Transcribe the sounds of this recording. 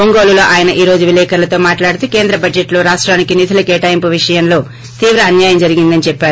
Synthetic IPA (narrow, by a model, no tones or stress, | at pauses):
oŋɡo̞ːlulo̞ːʔaːjɐnɐʔiːɾo̞ːd͡ʒuʋilɛːkʰɐɾlɐt̪o̞ːmaːʈlaːɽut̪ukeːnd̪ɾɐbɐd͡ʒeʈloːɾaːʂʈɾaːnikinid̪ʱɐlɐkeːʈɐjmpuʋiʂɐjɐnlo̞ː | t̪iːʋɾɐːnjaːjɐmd͡ʒɐɾiɡind̪ɐnit͡ʃɛpːaːɾuu